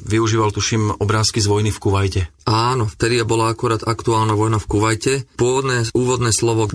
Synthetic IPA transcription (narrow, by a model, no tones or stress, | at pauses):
ʋiuʒiːʋalt̪uʃimɔbɾaːskizʋɔjnifkuʋajcɛaːnɔft̪ɛd̪ijabɔlaakuɾaːd̪akt̪uaːlnaʋɔjnafkuʋajcɛpʊɔʋɔd̪nɛːuːʋɔd̪nɛːslɔʋɔ